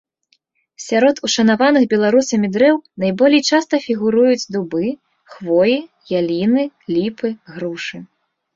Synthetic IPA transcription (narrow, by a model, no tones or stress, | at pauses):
sʲaɾɔt̪uʂɐnavanɨxbʲɛlˠaɾusɐmʲid̪ɾɛwnajbɔlʲijt͡ʂast̪ɐfʲiɣuɾujut͡sʲd̪ubɨ | xvɔji | jalʲinɨlʲipɨɣɾuʂɨ